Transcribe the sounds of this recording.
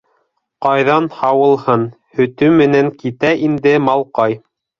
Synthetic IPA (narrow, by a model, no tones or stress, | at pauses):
qɑjðɑnhɑwɤ̆lˠhɤn | hɵ̆t̪ɵmɘ̆næŋkit̪æʔind̪ɘmɑlˠqɑj